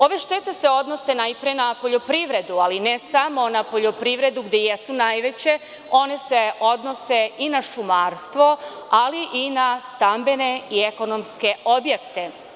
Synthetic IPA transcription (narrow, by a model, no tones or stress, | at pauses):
o̞ʋeʃt̪et̪e̞seo̞d̪no̞se̞najpɾijenapo̞ʎo̞pɾiʋɾe̞d̪ualinesamo̞napo̞ʎo̞pɾiʋɾe̞d̪uɡd̪ejesunajʋe̞t͡ɕe̞ | o̞ne̞se̞o̞d̪no̞seinaʃumaːɾst̪ʋo̞ | aliʔinast̪ambe̞ne̞ieko̞nomske̞ʔobjekt̪e̞